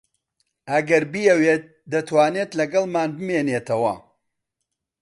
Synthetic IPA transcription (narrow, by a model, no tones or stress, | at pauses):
ʔɐɡɐɾbijɛweːt̪̚d̪ɐt̪waːneːt̪lɐɡɐlˠmaːnbɨmeːneːt̪ʰɐwɐ̰